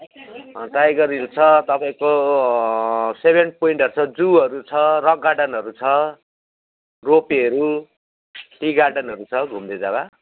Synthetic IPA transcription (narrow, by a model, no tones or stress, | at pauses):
ʈrajɡʌrilt͡sʰʌt̪ʌpaĩko | sebʱenpoiɳʈʌɾut͡sʰʌd͡zuʌɾut͡sʰʌrʌkɡaʈʌnɦʌɾut͡sʰʌ | ropeʌɾu | ʈiɡaʈʌnʌɾut͡sʰʌɡʱumd̪ed͡zaba